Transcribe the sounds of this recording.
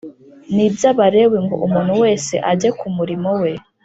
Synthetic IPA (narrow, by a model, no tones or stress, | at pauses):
nibjaβaɾe̞weŋɡo̞̰ʔumuːnhuwe̞ːse̞̰ʔaɟekumuɾimo̞we̞